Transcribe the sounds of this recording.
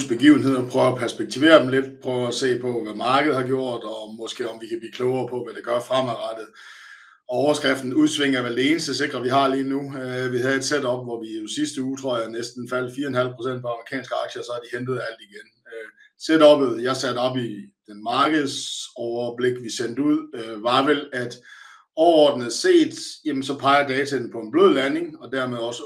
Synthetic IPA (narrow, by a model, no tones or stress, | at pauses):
sb̥eɡ̥ḭːʊn̩e̝ð̞̰ˠɒpʰʁœːʊɐɒpʰæɐsb̥eɡ̥̚t͡sʰiʋe̝̰ːɐd̥emle̝d̥pʰʁœːʊɒse̝̰ːpʰɒ̽ʋæmɑ̈ːɡ̥əð̩ˠhɑ̈ɡ̥jo̝ɐ̰d̥ɒmɒ̽sɡ̥e̝̰ːɒmʋikʰæblḭːkʰlɔʊɐːpʰɒ̽ʋæd̥eɡ̥ɶɐfʁamæʁɑd̥ð̩ˠ | ɒɒʊɐsɡ̥ʁafd̥n̩uðˠsʋe̝ŋ̰ɐʋæd̥ee̝ːnəsd̥əse̝ɡ̥ʁɐʋihɑ̈liːnuʋihæð̩ˠe̝d̥sed̥ɒ̽b̥ʋɒʋiosisd̥əuːt͡sʰʁo̝ɐ̰jɑnesd̥n̩fæl̰d̥fiːɐenhæl̰d̥pʰʁo̝sen̰̥̚pʰɒ̽ɑ̈mʁikʰɛ̰ːnsɡ̥əɑ̈ɡ̥ɕəsɒ̽æɐd̥ihend̥ð̩ˠæl̰d̥iɡ̥en | ø | sedɒ̽b̥ð̩ˠjɑ̈ɪsæd̥ɒ̽b̥id̥enmɑ̈ːɡ̥əð̞̩ˠsɒʊɐb̥le̝ɡ̥ʋisen̰d̥əuð̰ˠøʋɑ̈ʋelæd̥ | ɒʊɐɒ̰ːd̥n̩ð̞̩ˠse̝̰ːd̥jemənsɒ̽pʰɑ̈ɪɐd̥ɛːt͡sʰæ̥en̩pʰɒ̽e̝nb̥løð̰ˠlæne̝ŋɒ̽d̥æɐmeð̞ˠɒ̽sə